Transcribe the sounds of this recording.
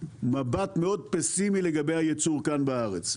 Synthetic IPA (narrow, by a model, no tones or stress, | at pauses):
mabat̪me̞o̞d̪̚pesimileɡabe̞jhajet͡suʁkanbaaʁet͡s